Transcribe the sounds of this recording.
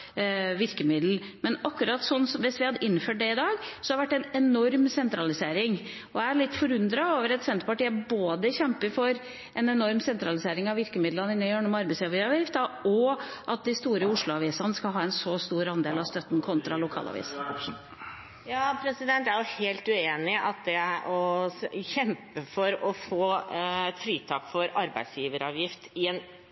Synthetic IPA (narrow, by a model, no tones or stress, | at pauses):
ʋɪɾkəmɪd̪l̩mɛnɑkːʉɾɑt̪sɔnːsɔmʋɪsʋɪhɑd̪əʔɪnːføːʈ̚ɖ̪ɛɪd̪ɑːɡsɔhɑɾʋæʈːɛnɛnɔɾmsɛnt̪ɾɑlɪseːɾɪŋ | ɔææɭɪt̪ːfɔɾʉnd̪ɾɑoːʋəɾɛt̪sɛnt̪əpɑʈiːəboːd̪əçɛmpəɾfɔɾ | ʔɛnɛnɔɾmsɛnt̪ɾɑlɪseːɾɪŋɑʋʋɪɾkəmɪd̪lənəɪnɑjøːɳɔmɑɾbɛɪsʋɪɑʋɪft̪ɑɔʔɑt̪̚d̪ɪst̪uːɾəʊʂɭʊɑʋiːsɑnəskɑlɦɑːɛnsɔst̪uːɾɑnd̪eːlɑʋst̪œt̪ːn̩kʰɔnt̪ɾɑlʊkʰɑ̰ːlʔɑ̰ʋḭːs | jɑːpʰɾɛsɪd̪ɛnt̪æɾjʊheːlt̪ʉeːnɪɑt̪̚d̪ɛʔɔçɛmpəfɔɾɔfoːfɾiːt̪ʰɑːkfɔɾɑɾbæɪd̪sjiːʋəɾɑːʋjɪft̪ɪɛn